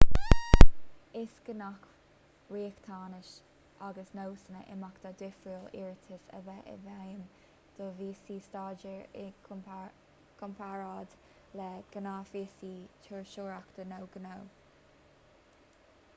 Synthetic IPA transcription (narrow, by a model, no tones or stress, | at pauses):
ɪsɡ̥ənak | ɹiːkt̪ʰɑːnɪʃ | ʔaɡəsnowsənə̰ʔɪ̰makd̪̥ad̪wɪfɹuːlɪɹt̪ʰəsə̰vɛʔə̰vɛjəm | d̪̥oviːsiːst̪ɑːd͡ʒəɹɪ | kʰɔmpʰaɹaːd̪ | lɛɡ̥ənafiːsiːt͡ʃʰəɹʃoːɹakd̪̥ənowɡ̥ənow